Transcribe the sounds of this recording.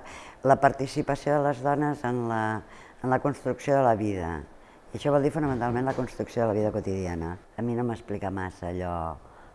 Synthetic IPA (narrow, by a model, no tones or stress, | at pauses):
ləpəɾt̪isipəsioðələzðɔnəzənləː | nləkunst̪ɾuksioðələβiðə̰ | iəʃɔβɔlˠd̪ifunəmənt̪alˠmẽnləkunst̪ɾuksioðələβiðəkut̪iðianəː | minoməsplikəmasəːʎɔ